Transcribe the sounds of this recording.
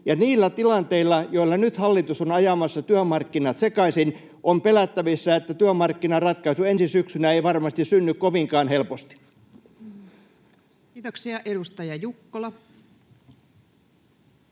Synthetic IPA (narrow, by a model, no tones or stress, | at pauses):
jɑniːlːæt̪ilɑnt̪eilːɑjoilːɑnyt̪hɑlːit̪usonɑjɑmɑsːɑt̪yømɑrkːinɑt̪sekɑisin | ʔompelæt̪ːæʋisːæet̪ːæt̪yømɑrkːinɑrɑt̪kɑisuensisyksynæeiʋɑrmɑst̪issynːykkoʋiŋkɑːnhelpost̪i̥ | t̪oksiɑʔeɾust̪ɑjɑjukːolɑ